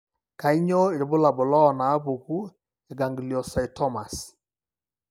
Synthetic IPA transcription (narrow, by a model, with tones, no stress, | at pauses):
ka˨i˦ɲɔ˦˨ɾɪ˨bʊ˦la˨bʊ˨lɔ˦ɔ˨na˨˦pu˨ku˦ | ɛ˨ɡa˨ŋɡi˨li˨ɔ˨sa˨ɪ˨tɔ˦ma˨s